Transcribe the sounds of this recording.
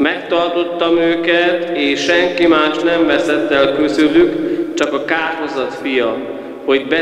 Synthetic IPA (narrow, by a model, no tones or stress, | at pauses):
mɛkt̪ɒrt̪o̞t̪ːɒmøːkɛt̪eːʃʃɛŋkimaːʃnɛɱvɛsɛt̪ːɛlkysylykt͡ʃɒkɒkaːrɦozɒt̪fijɒ | ho̞ɟbɛ